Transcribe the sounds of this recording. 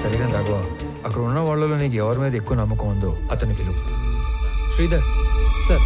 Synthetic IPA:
sɐɾid̪eːnɾaːɡɐʋaː | ɐkːɐɽɐunːɐʋaːɭːɐluːniːɡuɛʋɐɾmeːd̪ɐekːuːnɐmːɐkuːɐnd̪uɐt̪ɐnuɡilu | ʃɾiːd̪ɐɾsɐɾ

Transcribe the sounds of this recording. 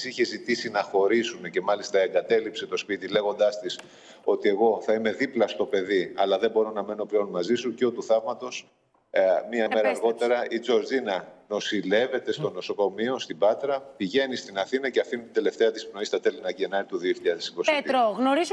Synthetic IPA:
siçe̞zit̪isinɐxo̞ɾisunece̞mɐlist̪ɐeŋɡɐt̪e̞lipse̞t̪o̞spit̪ile̞ɣo̞nd̪ɐst̪is | o̞t̪ie̞ɣo̞θɐime̞ðiplɐst̪o̞pe̞ðiɐlɐðembo̞ɾo̞nɐme̞no̞pleo̞nmɐzisuceot̪uθɐvmɐt̪o̞s | miɐme̞ɾɐɐɾɣo̞t̪e̞ɾɐʔid͡zo̞ɾzinɐno̞sile̞ve̞t̪e̞st̪o̞no̞so̞ko̞mio̞st̪ibɐt̪ɾɐpiʝe̞nist̪inɐθinɐceɐfinit̪id̪e̞le̞ft̪e̞ɐt̪ispno̞ist̪ɐt̪e̞linɐʝienɐɾit̪uðio̞çiʎɐðesi̥kosiɾoɣnoɾiz

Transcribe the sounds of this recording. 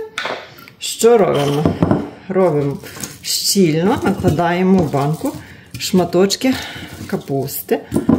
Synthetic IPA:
ʃt͡ʃɔɾɔbm | ɾɔbɪmʃt͡ʃʲilʲnɔnɐklˠɐd̪ɑjemɔwbɑnkʊ | ʃmɐt̪ɔt͡ʃkʲɪkɐpust̪ɪ

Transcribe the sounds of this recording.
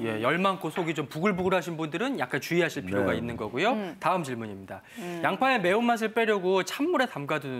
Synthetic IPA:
je̞jʌɭmaŋkʰosʰoɡit͡ɕompuɡɯɭbuɡɯɾɦaɕʰinbundɯɾɯnjak̚k͈ant͡ɕuiɦaɕʰiɭpʰiɾoɡainːɯnɡʌɡujotaɯmt͡ɕiɭmuɲimɲida | jaŋpʰaeme̞umːas̬ʰɯɭp͈e̞ɾjoɡot͡ɕʰamːuɾe̞tamɡadun

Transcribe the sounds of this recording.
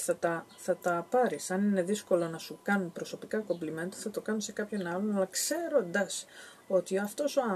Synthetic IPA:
θɐt̪ɐθɐt̪ɐpɐɾisɐnine̞ðisko̞lo̞nɐsukɐnunpɾo̞so̞pikɐko̞blime̞nɐt̪uθɐt̪o̞kɐnuse̞kɐpço̞nɐlo̞nɐlɐkse̞ɾo̞nd̪ɐs | o̞t̪iɐft̪o̞soɐ

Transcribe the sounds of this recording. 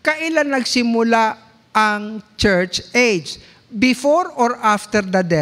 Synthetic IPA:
kɐʔɪlannɐɡsɪmʊla | ʔɐŋt͡ʃɛɹt͡ʃejd͡ʒ | bɪfoɾɔɹʔaft̪ɛɹd̪ɐd̪ɛ

